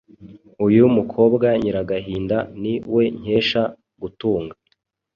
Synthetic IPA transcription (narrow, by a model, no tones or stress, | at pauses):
ujumukʰo̞ːbɡaɲiɾaɡaɦiːndaniwe̞ɲ̥e̞ːʃa | ɡutuːŋɡa